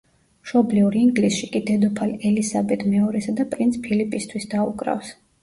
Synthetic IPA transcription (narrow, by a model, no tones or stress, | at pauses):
mʃɔbliuɾiːŋɡlisʃikʼid̪ɛd̪ɔpʰalɛlisabɛt̪ʰmɛɔɾɛsad̪apʼɾint̪sʰpʰilipʼist̪ʰwisd̪aṵkʼɾa̰fs